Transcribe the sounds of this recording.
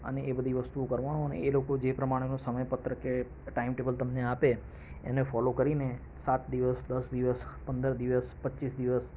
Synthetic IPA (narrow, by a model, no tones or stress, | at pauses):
ə̰neʔebəd̪ʱiʋəst̪uokəɾʋañũənḛelokod͡ʒepɾəmaɽ̃enũsəməjpət̪ɾəke | ʈaimʈebəlt̪əmneape | ḛnefɔlokəɾine | sat̪d̪iʋəsd̪əsd̪iʋəspənd̪əɾd̪iʋəspətːʃisd̪iʋəs